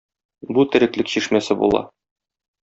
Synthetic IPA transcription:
but̪ɘ̆ɾɘ̆klɘkɕiʃmæsɘbṵlˠɑ̰

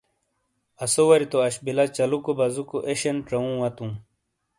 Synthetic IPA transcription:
ɐsowɐɾit̪oɐɕbilat͡ɕɐlukobɐzukoʔeɕenʈ͡ʂɐũwɐt̪ũ

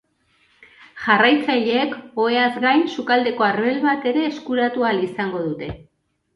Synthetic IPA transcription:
ʝarajt͡saʎe̞ːko̞e̞azɡajnsukald̪e̞ko̞arβelβat̪e̞ɾe̞ːskuɾat̪ualisaŋɡo̞ðut̪e̞

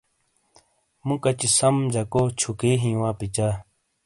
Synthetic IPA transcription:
mũkɐt͡ɕisɐmd͡ʑɐkoːt͡ɕʰukeːɦĩːwãːpit͡ɕaː

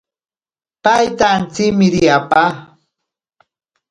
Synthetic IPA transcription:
pajt̪ant͡sɪkmɪɾɪjapa

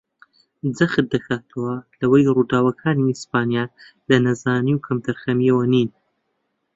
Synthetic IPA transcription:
d͡zɐxt̪̚d̪ɐxaːt̪ʰɐwɐlɐwɐjruːd̪aːwɐkʰaːniispaːnijalɐnɐzaːniwkʰɐmt̪ʰɐɾxɐmjɐwɐniːn

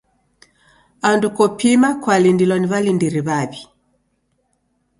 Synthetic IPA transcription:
andukɔpimakwalindilɔniβalindiɾiβaβi

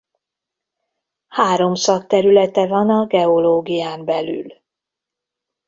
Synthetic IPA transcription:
haːɾo̞msɒkt̪ɛɾylɛt̪ɛvɒnɒɡɛo̞loːɡijaːmbɛly̰l

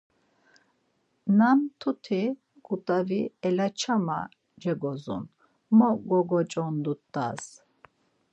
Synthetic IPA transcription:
namt̪ʰut̪ʰi | kʼut̪ʼaviɛlat͡ʃʰama̰ | d͡ʒɛɡɔzṵn | mɔɡɔɡɔt͡ʃʼɔnd̪ut̪ʼːas

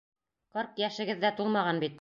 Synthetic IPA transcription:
qɤɾqjæʃɘ̆ɡɘ̆ðːæt̪ulˠmɑʁɑnbit̪̚

